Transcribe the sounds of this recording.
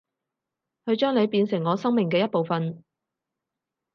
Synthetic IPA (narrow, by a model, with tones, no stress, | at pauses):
kʰɵ˨˧ɥt͡ʃœː˥ŋle˨˧jpiː˧nsɪ˨˩ŋːɔː˨˧sɐ˥ŋmɪ˨˩ŋkɛː˧jɐ˥t̚po˨wfɐ˨n